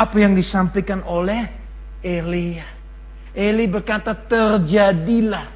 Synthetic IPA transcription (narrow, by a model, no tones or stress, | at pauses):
apajaŋdisampakanolɛh | elija | ʔelibərkat̪at̪ərd͡ʒadilah